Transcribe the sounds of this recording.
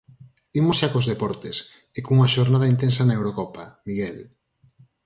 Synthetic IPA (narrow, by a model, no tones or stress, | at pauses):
imosʃakozðepɔɾt̪es | ekoŋuŋaʃoɾnað̞ɐint̪ensɐnɐewɾokɔpamiɣɛl